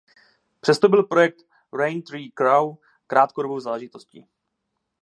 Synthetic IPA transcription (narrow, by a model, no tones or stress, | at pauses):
pr̝̥ɛst̪obɪlpɾo̞jɛk̚t̪ | ɾɛjnt̪ɾiːkɾaw | kɾaːt̪koɾobowzaːlɛʒɪt̪oscḭ